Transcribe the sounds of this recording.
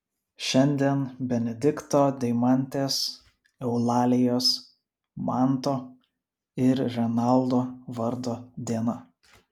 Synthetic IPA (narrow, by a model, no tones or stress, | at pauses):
ʃʲɛnʲd̪ʲiɛnbʲɛnʲɛd̪ʲɪkt̪oːd̪ʲɛɪmɑˑnʲt̪ʲeːs | ɛʊlˠɑːlʲɪjoːs | mɑˑnt̪oː | ɪɾɾʲɛnɑˑlˠd̪oːʋɐɾd̪oːd̪ʲiɛnɐ